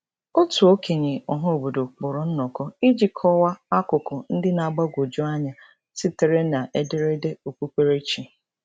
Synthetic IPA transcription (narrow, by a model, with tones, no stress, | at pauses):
o˦tu˨o˦kʰe˨ɲe˨ɔ˨ɦʊ˦o˨bo˨do˨k͡pʊ˨ɾʊ˨n̩˦nɔ˨kɔ˦i˦d͡ʒi˦kʰɔ˦wa˦a˦kʊ˨kʊ˨n̩˦dɪ˦na˨ɡ͡ba˦ɡʷo˨d͡ʒu˦a˦ɲa˨ | si˦te˨ɾe˦na˨ʔe˦de˦ɾe˦de˦o˨ku˦kʷe˦ɾe˦t͡ʃi˨